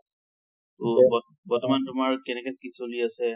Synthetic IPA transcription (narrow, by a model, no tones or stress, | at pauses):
tubɔ | bɔɹtɔmantʊmaɹkɛnɛkɛkisoliasɛ